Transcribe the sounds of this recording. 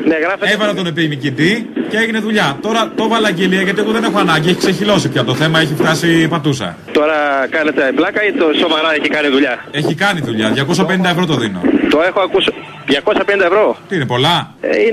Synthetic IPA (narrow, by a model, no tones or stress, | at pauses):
neɣɾɐfeevɐlɐt̪onep̬iimicit̪iceeʝine̞ðuʎɐt̪o̞ɾɐt̪o̞vɐlɐɟeliɐʝɐt̪ieɣoðe̞ne̞xoɐnɐɲɟieçikse̞çilo̞sipçɐt̪oθe̞mɐe̞çift̪ɐsipɐt̪usɐ̰ | t̪oɾɐkɐnet̪eblɐkɐit̪osomɐɾɐeçikɐniðuʎɐe̞çikɐniðuʎɐðʝɐko̞s̬ɐpe̞nind̪ɐevɾo̞t̪oðino̞̰t̪oexoɐkusi | ðʝɐko̞sɐpenind̪ɐevɾo̞t̪iinepo̞lɐi